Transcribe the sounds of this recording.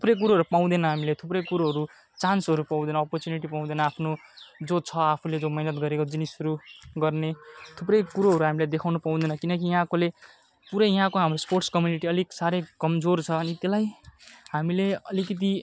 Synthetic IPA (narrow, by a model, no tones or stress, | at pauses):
t̪ʰuprʌjk̬uɾoɦʌɾupaw̃d̪enʌɦamilet̪ʰuprʌjkuɾoɦʌɾu | t͡sansɦʌɾupaw̃d̪enʌɔpʌrt͡sjuniʈipaw̃d̪enʌapʰnod͡zot͡sʰʌapʰuled͡zomʌinʌt̪ɡʌɾekod͡zinisʌɾuɡʌrnet̪ʰuprʌjkuɾoɦʌɾuɦamilajd̪ekʰawnʌpaw̃d̪enʌkinʌk̬ijʌɦãkole | puɾʌjʌɦãkoɦamrosporʈskʌmjuniʈiʌliksaɾʌjkʌmd͡zort͡sʰʌːnit̪elajɦamileʌlikʌt̪̬i